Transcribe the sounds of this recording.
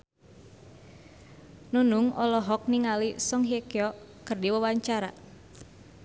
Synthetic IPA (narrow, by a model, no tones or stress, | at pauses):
nunuŋɔlɔɦɔk̚niŋalisɔŋɦiekjɔkɨrdiwawaɲt͡ʃaɾa̰